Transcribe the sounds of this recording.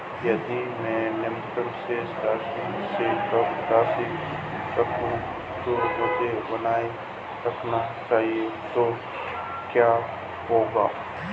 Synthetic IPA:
jɐd̪imɛ̃nemt̪əɾsest̪aːsisekɐbd̪aːsikəkũ | d͡ʒomʊd̪ʱebənaːe | ɾɐkʰnat͡ʃaːɦiet̪o | kjaː | ɦoːɡa̰ː

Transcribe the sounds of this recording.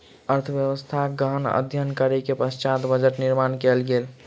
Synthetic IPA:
əɾt̪ʰəbjəwəst̪ʰaɡəɦənə̰d̪ʱjənkəɾekepəst͡ʃat̪bəd͡ʒəʈniɾmankɛlɡel

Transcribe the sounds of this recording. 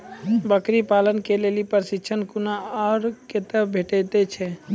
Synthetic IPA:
bəkɾipaːlənkelelipəɾsɪt͡ʃʰənkunaaɽket̪əbʱeʈɛt̪et͡ʃʰɛ

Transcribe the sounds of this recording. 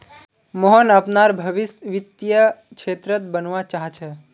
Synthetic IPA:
mɔɦɔnəpnaɾbʱəʋisʋit̪jəkʃʰet̪ɾət̪̚bənʋat͡ʃaɦt͡ʃʰɛ

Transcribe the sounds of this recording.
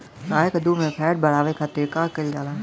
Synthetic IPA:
kaːekəd̪umẽpʰɛːɖ̚bɐɽaːʋekʰat̪eːkaːkəld͡ʒaːlaː

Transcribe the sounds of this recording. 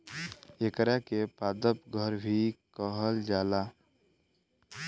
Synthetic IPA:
ekəɾjakepaːd̪əpɡʱəɾbʱikəɦəld͡ʒaːla

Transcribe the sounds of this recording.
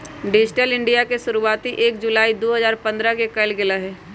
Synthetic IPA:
ɖɪd͡ʒɪʈəlɪ̃ɳɖijakesʊɾuaːt̪iʔeːk̚d͡ʒʊlaːid̪oːɦɐzaːɾpɐ̃nd̪ɾakekɐlɡɪlaɦɛː

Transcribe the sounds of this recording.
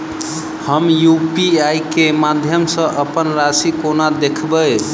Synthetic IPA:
həmjupiajkemad̪ʱjəmsə̃ʔəpənɾasikonad̪ekʰbəj

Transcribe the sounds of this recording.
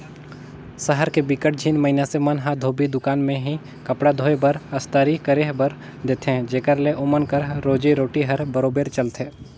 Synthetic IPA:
səɦəɾkebɪkəʈ̚d͡ʒʱiːnmɐɪnasemɐnɦad̪ʱoːbid̪ʊkaːnmẽɦi | kɐpɽad̪ʱoːebəɾɐst̪əːɾikəɾeːɦbəɾ | d̪eːt̪ʰeɦɛ̃d͡ʒeːkəɾleʔʊmənkəɾɾoːd͡ʒiɾoːʈiɦɐɾbɐɾoːbeːɾt͡ʃɐlt̪ʰeː

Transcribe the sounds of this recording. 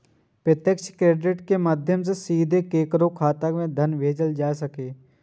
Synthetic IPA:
pɾɪt̪jəkʃkɾeːɖɪʈkemaːd̪ʱjəms̬esiːd̪ʱekeːkɾõkʰaːt̪əkmẽd̪ʱənʋʱeːd͡ʒəld͡ʒaːesəkeː

